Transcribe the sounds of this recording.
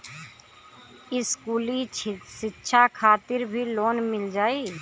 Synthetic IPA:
ɪskuːliʃɪtːʃʰakʰaːt̪ɪɾbʱiloːnmɪld͡ʒaːeː

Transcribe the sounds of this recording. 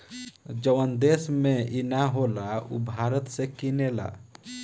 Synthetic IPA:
d͡ʒəʋənd̪esmeinaɦolaṵbʱaɾət̪sẽkinela̰

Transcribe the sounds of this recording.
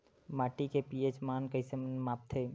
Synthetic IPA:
maːʈikepiet͡ʃmaːnkəɪsemaːp̚t̪ʰeː

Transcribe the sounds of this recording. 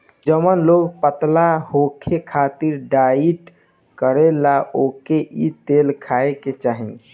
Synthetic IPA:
d͡ʒəmənloɡpət̪lahokʰekʰat̪iɾɖaiʈ | kəɾelaʔokeʔit̪elkʰaeket͡ʃaɦin

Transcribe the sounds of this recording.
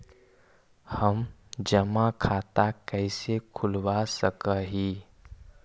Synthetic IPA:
həmd͡ʒəmakʰaːt̪akəɪsekʰʊlwasəkəɦiː

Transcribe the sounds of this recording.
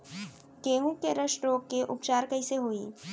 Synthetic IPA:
keːɦũkːeɾɐʃʈɾoːkːeʔʊpt͡ʃaːɾkɐiseɦoːḭː

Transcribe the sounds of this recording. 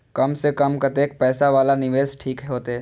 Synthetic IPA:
kɐmsekəmkɐt̪eːk̚pɛːsaʋaːlanɪʋeːsʈʰiːkɦɛɦoːt̪eː

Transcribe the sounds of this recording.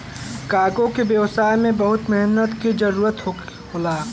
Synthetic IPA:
kaːɡõkebjəwsaːjmẽbɐɦʊt̪mɪɦnət̪kid͡ʒɐɾuːɾət̪ | ɦolaː

